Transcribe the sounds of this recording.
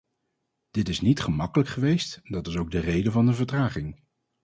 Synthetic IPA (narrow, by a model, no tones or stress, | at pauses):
d̥ɪtɪsnitχəmɑkələkχəʋejstdɑtɪsowɡ̚dərejdəvɑndəvəɹtraːχɪŋ